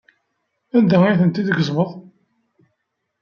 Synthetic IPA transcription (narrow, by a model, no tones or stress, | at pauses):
ænd̪æiθənt̪iðəɡəzˤməðˤ